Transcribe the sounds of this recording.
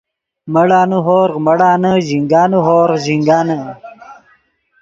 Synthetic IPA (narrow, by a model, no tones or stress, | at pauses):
məɽaːnuɦoːɾqməɽaːnəʑiŋɡaːnuɦoːɾʑiŋɡaːnə